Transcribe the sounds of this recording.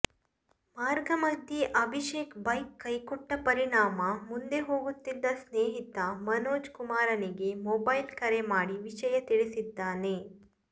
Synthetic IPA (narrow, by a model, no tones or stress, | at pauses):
maːɾɡɐmɐd̪ʱːiʔɐbʱiʃeːkbɐjkːɐjkɔʈːɐpɐɾiɳaːmɐmund̪e̞ɦoːɡut̪ːid̪ːɐsneːɦit̪ɐmɐnoːd͡ʒkumaːɾɐniɡe̞mɔːbɐjlkɐɾemaːɽiʋiʃɐjɐt̪iɭisid̪ːaːne